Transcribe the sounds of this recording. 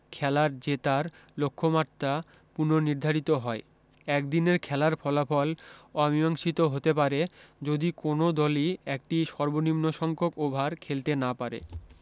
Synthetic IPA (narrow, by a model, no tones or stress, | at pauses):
kʰɛlaɾd͡ʑet̪aɾ | lokʰːomaɾt̪a | puɾnoniɾd̪ʱaɾit̪oɦɔe | ɛk̚d̪ineɾkʰɛlaɾfʰɔlafɔlɔmiɔŋʃit̪oɦot̪ep̬aɾed͡ʑod̪ikonod̪ɔliek̚ʈiʃɔɾbonimnoʃɔŋkʰokobʱaɾkʰelt̪enapaɾḛ